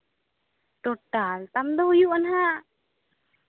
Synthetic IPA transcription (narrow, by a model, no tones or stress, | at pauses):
ʈɔʈalt̪amd̪ɔɦujuʔanɦa